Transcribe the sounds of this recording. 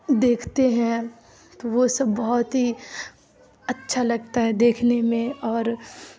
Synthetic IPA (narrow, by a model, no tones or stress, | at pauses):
d̪eːkʰt̪eɦɛ̃ | t̪oʋosɐbːɐɦʊt̪ɦi | ɐtːʃʰalɐɡ̚t̪aɦɛd̪eːkʰnemẽɔːɾ